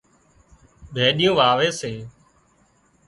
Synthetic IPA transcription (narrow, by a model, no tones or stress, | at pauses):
bʱeːɗɪjõːʋaːʋeːseː